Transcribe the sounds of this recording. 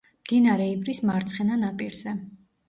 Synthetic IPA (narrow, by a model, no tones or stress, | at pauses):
md̪̥inaɾɛibɾismaɾt̪sʰχɛnanapʼiɾz̥ɛ